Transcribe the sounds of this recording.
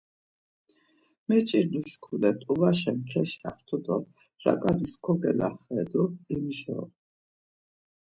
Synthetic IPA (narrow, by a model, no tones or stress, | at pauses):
mɛt͡ʃʼiɾd̪uʃkʰulɛt̪ʼubaʃɛnkʰɛʃa̰χt̪ʰud̪ɔ | ɾa̰kʼaniskʰɔɡɛlaχɛd̪uimʒɔ̰